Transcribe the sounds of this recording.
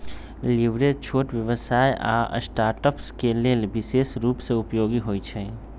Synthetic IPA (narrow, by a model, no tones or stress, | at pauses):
liʋɾet͡ʃʰoʈʋjəʋəsajʔa̰sʈaɾʈəpskelelbisesɾupsẽupjoɡiɦojt͡ʃʰɛ